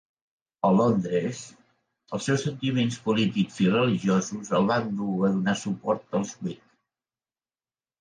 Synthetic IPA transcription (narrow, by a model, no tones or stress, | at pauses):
əlɔnd̪ɾəz | əlˠsɛwsənt̪imenspulit̪ikzirəliʒiozuzəlˠβand̪uəðunasupɔɾt̪əlˠzkwit̪